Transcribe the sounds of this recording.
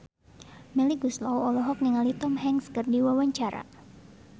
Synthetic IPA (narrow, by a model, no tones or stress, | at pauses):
mɛliɡuslawɔlɔɦɔk̚niŋalit̪ɔmɦɛŋskɨrdiwawaɲt͡ʃaɾa̰